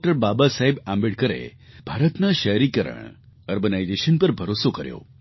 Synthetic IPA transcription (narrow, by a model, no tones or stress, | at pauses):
ʈəɾbabasaɦebambeʈkəɾḛ | bʱaɾət̪naʃəjɾikəɾə̰ɳ | əɾɡənajd͡ʒeʃənpəɾbʱəɾosokəɾjo̰